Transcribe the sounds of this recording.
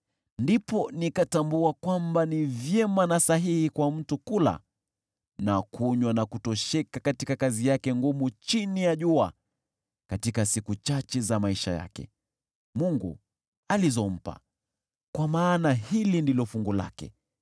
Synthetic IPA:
ndipɔnikatambuakwambanivjɛmanasaɦihikwam̩tukula̰ | nakʰuɲwanakutɔʃɛkakatikakazijakɛŋɡumut͡ʃinijaʄua | katikasikut͡ʃat͡ʃɛzamaiʃa̰ja̰kɛ̰ | muŋɡṵ | alizɔm̩pa̰ | kwamaːnahilindilɔfuŋɡula̰kɛ̰

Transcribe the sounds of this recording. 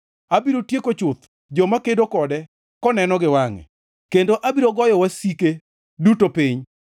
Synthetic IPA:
abiɾotjekot͡ʃʊt̪ | d͡ʒɔmakedokɔdɛ | kɔnɛnɔɡɪwaŋɛ̰ | kendoʔabiɾoɡɔjɔwasike | dutopiɲ

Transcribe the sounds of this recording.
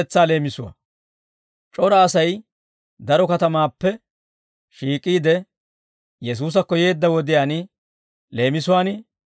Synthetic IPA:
ɛt͡sːaːle̞ːmɪsʊwɐ̰ | t͡ʃʼɔɾɐːsɐj | d̪ɐɾɔkɐt̪ɐmaːpːɛ | ʃiːkʼiːd̪ɛ | jɛs̬uːs̬ɐkːɔje̞ːd̪ːɐwɔd̪ɪjaːnɪ | le̞ːmɪsʊwaːn

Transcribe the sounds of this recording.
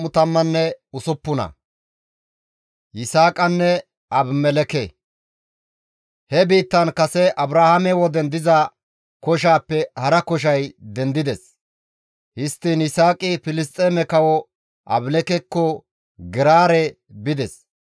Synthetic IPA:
ʊt̪ɐmːɐnːɛʊsʊpːʊnɐ̰ | jɪsaːkʼɐnːɛ | ɐbmɛlɛkɛ | hɛbiːt̪ːɐnkɐsɛʔɐbɾaːhɐmɛwɔd̪ɛnd̪ɪzɐ | kɔʃ̬aːpːɛhɐɾɐkɔʃ̬ɐjd̪ɛnd̪ɪd̪ɛs | hɪst̪ːinɪsaːkʼɪfɪlɪst̪ʼːeːmɛkɐwɔ | ʔɐ̰blɛkɛkːɔ | ɡɪɾaːɾɛ | bɪd̪ɛs

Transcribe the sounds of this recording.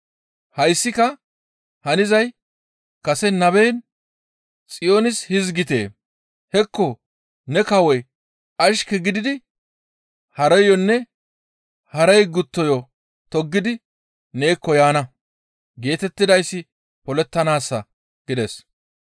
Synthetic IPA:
hɐjsːɪkɐ | hɐnɪzɐj | kɐsɛnɐbeːn | t͡sʼɪjo̞ːnɪshɪzɡɪt̪ḛː | hɛkːɔ | nɛkɐwɔj | ɐʃkɛɡɪd̪ɪd̪ɪ | hɐɾɛjːɔnːɛ | hɐɾɛjɡʊt̪ːɔjɔ | t̪ɔɡːɪd̪ɪ | ne̞ːkːɔjaːnɐ | ɡe̞ːt̪ɛt̪ːɪd̪ɐjsːɪ | pɔlɛt̪ːɐnaːsːɐ | ɡ̥ɪd̪ɛs

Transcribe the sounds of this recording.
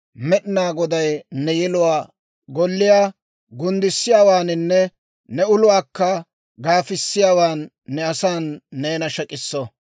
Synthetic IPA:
mɛɗɪnaːɡɔd̪ɐjnɛjɛlʊwaː | ɡɔlːɪjaː | ɡʊnd̪ɪsːɪjaːwaːnɪnːɛ | nɛʊlʊwaːkːɐ | ɡaːfɪsːɪjaːwaːnː | ɛɐsaːnːeːnɐʃɐkʼɪsːɔ

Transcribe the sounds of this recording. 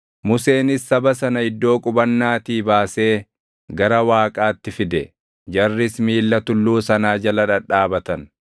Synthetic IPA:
mʊse̞ːnɪsːɐbɐsɐnɐɪd̪ːo̞ːkʼʊbɐnːaːt̪iːbaːse̞ː | ɡɐɾɐwaːkʼaːt̪ːɪfɪd̪ɛ | d͡ʒɐrːɪsmiːlːɐt̪ʊlːuːsɐnaːd͡ʒɐlɐᶑɐᶑaːbɐt̪ɐn

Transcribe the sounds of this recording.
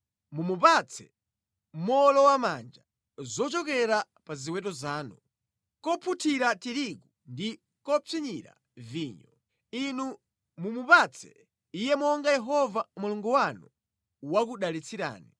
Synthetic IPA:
mumupat͡sʰɛ | mɔlɔwamand͡ʒa | zɔt͡ʃɔkɛɾa | paziwɛtɔzaːnu | kɔpʰutʰiɾatiɾiku | ndi | kɔp͡fiɲiɾa̰ | viːɲɔ | inu | mumupat͡sʰɛ̰ | ijɛmɔŋɡajɛɦɔvamuluŋɡuwanu | wak̬uɗalit͡sʰiɾa̰ːni

